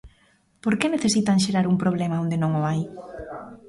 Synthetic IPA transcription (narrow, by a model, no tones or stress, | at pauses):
poɾkeneθesit̪aŋʃeɾaɾuŋpɾoβ̞lemaõnd̪enõŋoaj